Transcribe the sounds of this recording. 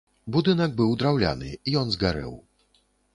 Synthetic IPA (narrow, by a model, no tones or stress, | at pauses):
bud̪ɨnɐɡ̚bɨwd̪ɾawlʲa̰nɨijɔnzɡaɾɛ̰w